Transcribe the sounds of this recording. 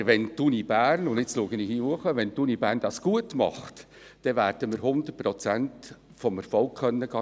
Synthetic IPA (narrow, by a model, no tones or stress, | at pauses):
ʋɛntunib̥æːrnʊndɪt͡sluəɡənɪːχiuəχəʋɛnt̪unibæːɾnd̥ɑsɡ̥uətmɑ̰χt | d̥ɛʋæːɾd̥əmɪɾɦʊnd̪ərpɾɔt͡sænt | fɔmɛɾfɔlkχœnːəɡɑ